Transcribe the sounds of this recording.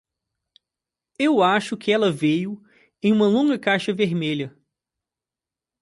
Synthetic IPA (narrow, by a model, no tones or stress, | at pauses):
ewaʃʊkɪɛlɐvejʊ | ẽj̃ũmɐlõŋɡɐkajʃɐveɾmeʎɐ